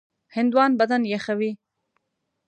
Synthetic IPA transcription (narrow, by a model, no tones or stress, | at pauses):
hɪnd̪wɑnbad̪anjaxawi